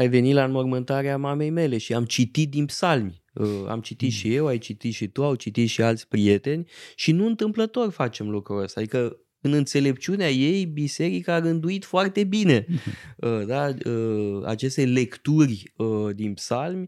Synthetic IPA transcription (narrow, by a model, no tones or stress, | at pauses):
ajve̞nit̪lamo̞rmɨnt̪aɾeamame̞jme̞le̞ʃiamt͡ʃit̪it̪̚d̪inpsalm | əa̰mt͡ʃit̪it̪ʃije̞wajt͡ʃit̪it̪ʃit̪uawt͡ʃit̪it̪ʃialt̪sʲpɾie̞t̪e̞nʲʃinuɨnt̪ɨmplət̪o̞rʲfat͡ʃe̞mlukɾuəst̪ad̪ikə | ɨnɨnt̪se̞le̞pt͡ʃiuneaje̞jbise̞ɾikaːɾɨnd̪uit̪foart̪e̞bine̞əd̪aəa̰t͡ʃe̞st̪e̞le̞kt̪urʲəd̪inpsalmʲ